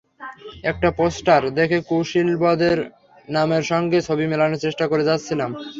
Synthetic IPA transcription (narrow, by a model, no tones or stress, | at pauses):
ɛk̚ʈaposʈaɾd̪ekʰekowʃilbɔd̪eɾ | nameɾʃɔŋɡet͡ɕʰobimelanot͡ɕeʃʈakoɾed͡ʑatːɕʰilam